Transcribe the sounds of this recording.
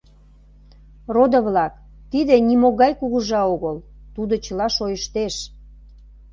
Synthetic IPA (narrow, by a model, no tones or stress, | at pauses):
rod̪əβlɑk | t̪id̪enimoɣɑjkuɣuʒɑoɣəlt̪ud̪ot͡ɕəlɑʃojəʃt̪eʃ